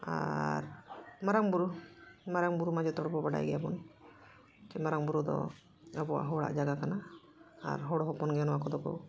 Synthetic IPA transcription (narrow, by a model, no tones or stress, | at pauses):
a̰ɾmaɾaŋbuɾumaɾaŋbuɾumad͡ʒɛt̪ɔɽbɔbaɖa̰jɡɛjabɔn | t͡ʃɛmaɾaŋbuɾud̪ɔ̰ | abɔwa̰ʔɦɔwɽa̰ʔd͡ʒaɡakana̰ː | ɾɦɔɽɔɦɔpɔnɡɛɔnɔwakɔd̪ɔkɔ̰